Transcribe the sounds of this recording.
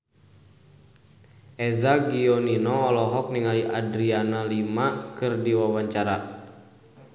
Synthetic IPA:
ʔɛzaɡiɔninɔːlɔɦɔk̚niŋaliʔadɾianalimakɨrdiwawaɲt͡ʃaɾa

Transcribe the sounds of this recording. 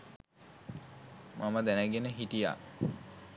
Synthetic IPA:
mʔaməd̪ænəɡenəɦiʈija̰

